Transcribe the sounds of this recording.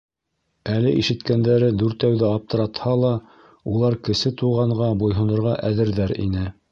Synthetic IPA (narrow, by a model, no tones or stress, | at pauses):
ælɘʔiʃɘ̆t̪kænd̪æɾɘd̪uɾt̪æwðɘɑp̚t̪ɤ̆ɾɑt̪hɑlˠɑ | ulˠɑɾkɘ̆sɘt̪uʁɑɴʁɑbujɦɤ̆nŏɾʁɑʔæðɘ̆ɾðæɾḭnɘ